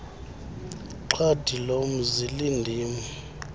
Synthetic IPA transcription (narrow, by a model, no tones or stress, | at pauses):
ǃʰad̥ʱilom̩zilindʱiːmu